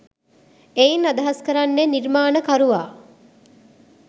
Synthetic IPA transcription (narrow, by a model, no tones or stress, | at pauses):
ejinad̪ɐɦaskəɾanːeniɾmaːnəkaɾuʋaː